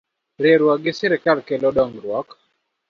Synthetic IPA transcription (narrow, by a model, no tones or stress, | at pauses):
ɾeɾwaɡɪsɛɾɪkalkɛlɔdɔŋɾwɔk